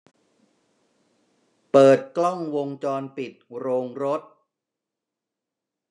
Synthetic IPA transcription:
pɤː˨˩t̪̚klɔ˥˩ŋwo˧ŋt͡ɕɔː˧npi˨˩t̪̚ɾoː˧ŋɾo˦˥t̪̚

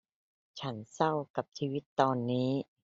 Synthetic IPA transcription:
t͡ɕʰa˦˥nsa˥˩wka˨˩p̚t͡ɕʰiː˧wi˦˥t̪ːɔː˧nːiː˦˥

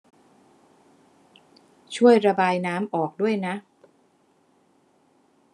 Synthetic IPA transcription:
t͡ɕʰu˥˩əjɾa˧baː˧jnaː˦˥mʔɔː˨˩k̚du˥˩əjna˦˥ʔ

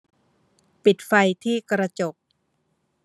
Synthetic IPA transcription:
pi˨˩t̪̚fa˧jt̪ʰiː˥˩kɾa˧t͡ɕo˨˩k̚

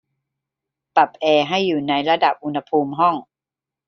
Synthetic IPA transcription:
pa˨˩p̚ʔɛː˧ɦa˥˩jːuː˨˩na˧jɾa˧da˨˩p̚ʔu˧nha˧pʰuː˧mɦɔ˥˩ŋ

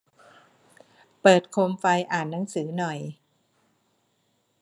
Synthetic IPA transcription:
pɤː˨˩t̪̚kʰoː˧mfa˧jʔaː˨˩nːa˩˦ŋsɯː˩˦nɔ˨˩j

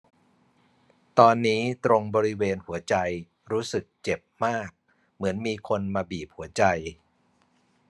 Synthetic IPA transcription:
t̪ɔː˧nːiː˦˥t̪ɾo˧ŋbɔː˧ɾi˦˥weː˧nhu˩˦ɐt͡ɕa˧j | ɾuː˦˥sɯ˨˩k̚t͡ɕe˨˩p̚maː˥˩k̚ | mɯ˩˦ənmiː˧kʰo˧nmaː˧biː˨˩p̚hu˩˦ɐt͡ɕa˧j

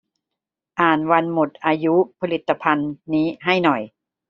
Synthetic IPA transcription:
ʔaː˨˩nwa˧nmo˨˩t̪̚ʔaː˧ju˦˥pʰa˧li˨˩t̪ːa˧pʰa˧nːiː˦˥ɦa˥˩jnɔ˨˩j

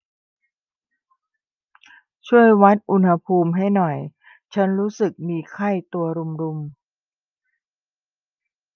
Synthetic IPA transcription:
t͡ɕʰu˥˩əjwa˦˥t̪̚ʔu˧nha˧pʰuː˧mɦa˥˩jnɔ˨˩j | t͡ɕʰa˦˥nɾuː˦˥sɯ˨˩k̚miː˧kʰa˥˩jt̪u˧ɐɾu˧mɾu˧m

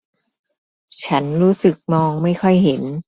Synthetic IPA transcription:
t͡ɕʰa˦˥nɾuː˦˥sɯ˨˩k̚mɔː˧ŋma˥˩jkʰɔ˥˩jɦe˩˦n

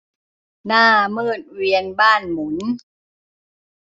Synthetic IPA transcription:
naː˥˩mɯː˥˩t̪̚wi˧ənbaː˥˩nmu˩˦n

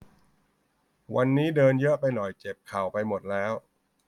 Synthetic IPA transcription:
wa˧nːiː˦˥dɤː˧njɤ˦˥ʔpa˧jnɔ˨˩jt͡ɕe˨˩p̚kʰa˨˩wpa˧jmo˨˩t̪̚lɛː˦˥w

